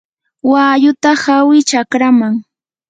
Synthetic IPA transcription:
wajʊt̪ahawɪt͡ʃakɾamaŋ

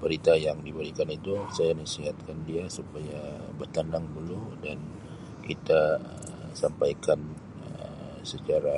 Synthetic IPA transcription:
bəɾit̪ajaŋdibəɾikanit̪usajanəsiɦat̪̚kandiasupajabərt̪anaŋduludan | kit̪aə | sampajkan | ə | sət͡ʃaɾa

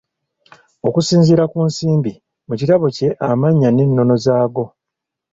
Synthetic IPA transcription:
o̞kusiːnziɾakunsiːmbi | mucitaβo̞ce̞ʔamaɲːane̞nːo̞no̞zaːɡo̞

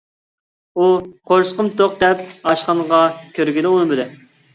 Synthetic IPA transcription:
uqʰoɾsqəmt̪oq̚d̪ɛp̚ɑʃqɑɴʁɑkʲʰøɾɡʲid̪ɪunɨbɪd̪ɪ

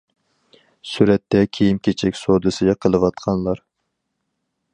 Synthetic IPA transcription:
syɾɛt̪ʰːɛkʲʰejimkʲʰet͡ʃʰɛkʲsod̪ɨsɨɡʲɛqʰəlˠɨwɑt̪̚qʰɑnlˠɑɾ

